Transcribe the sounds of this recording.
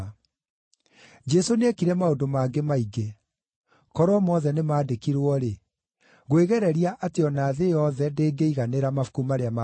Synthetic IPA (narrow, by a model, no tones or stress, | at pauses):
d͡ʒɛsonekiɾɛmaodomaːɡemaiɡe | kɔɾwɔmɔðɛnemaːdekiɾwɔɾe | ɣoeɣɛɾɛɾiaʔateɔnaːðejɔðɛndeːɡeiɣaneɾamafu̥kumaɾeama